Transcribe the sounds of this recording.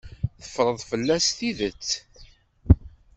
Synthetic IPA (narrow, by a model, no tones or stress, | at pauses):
θə̥fɾˤəðˤfəlːæsθiðət͡sː